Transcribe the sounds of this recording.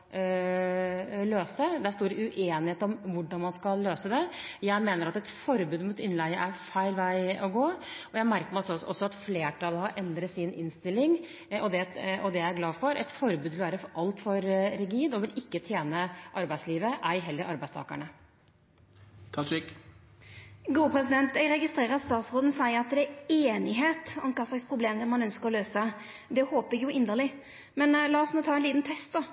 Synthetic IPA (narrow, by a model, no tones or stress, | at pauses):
løːsəd̪æst̪oːɾəʉʔeːnɪheːt̪ɔmʋʊɖɑnmɑnskɑlːøːsəd̪ɛjæɪmeːnəɾɑt̪ɛt̪fɔɾbʉːd̪muːt̪ɪnlæɪəʔæɾfæɪlʋæɪɔɡoːɔjæɪmæɾkəɾmsɔɔsːɔɑt̪fleːʈʰɑlhɑɾʔɛnd̪ɾət̪sɪnɪ̰nst̪ɪlːɪŋ | ɔd̪ɛɔd̪ɛææɾɡlɑːfɔɾʔɛ̰t̪fɔɾbʉd̪ʋɪlʋæːɾəfɔʔɑlt̪fɔɾɾɪɡiːd̪ɔʋɪlɪkːət̪ʰjeːnəʔɑɾbæɪsliːʋəʔæɾɦɛlːəɾɑɾbæɪst̪ʰɑ̰ːkə̰ɳə | kʰɑt͡ʃɪk | ɡuːəpʰɾɛsɪd̪ɛnt̪ɛɡɾɛɡɪst̪ɾeːʁəst̪ɑːt̪sʁoːd̪n̩sæɪɑt̪̚d̪ɛeːnɪɦeːt̪ɔ̰mkʰɑːslɑkspʰɾʊbleːmd̪ɛmːɑnœnskəʁɔløːsə | d̪ɛhoːpɪɡjʊɪnəʁlɪ | mɛnlɑːɔsnuːt̪ʰɑːɛnliːt̪n̩t̪ʰɛst̪̚d̪ɔ